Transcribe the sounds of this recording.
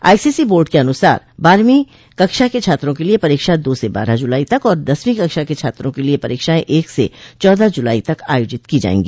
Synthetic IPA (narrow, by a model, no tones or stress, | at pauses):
a̰ːisiːsiboːlɖkeɐnʊsa̰ːɾbaːɾmi | kɐkʃaket͡ʃʰaːt̪ɾõkeliepɐɾeːkʃad̪oːseba̰ːɾad͡ʒʊlaːit̪ɐkɔːɾd̪ɐsmĩkɐkʃaket͡ʃʰaːt̪ɾõkeliepɐɾeːkʃaːẽʔeːksḛt͡ʃɔːd̪ʱad͡ʒʊlaːit̪ɐka̰ːjoːd͡ʒɪt̪kid͡ʒa̰ːḛ̃ːŋɡiː